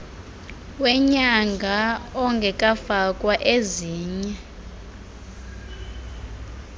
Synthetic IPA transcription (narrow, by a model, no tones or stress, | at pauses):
wɛɲaŋɡʱaɔŋɡʱɛkʼafakʼwaʔeziːɲɛ